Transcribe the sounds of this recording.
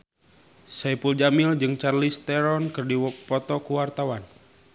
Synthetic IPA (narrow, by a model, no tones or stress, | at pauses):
sɛpuld͡ʒamild͡ʒɨŋt͡ʃarlist̪ɛɾɔnkɨrdipɔt̪ɔkuwart̪awan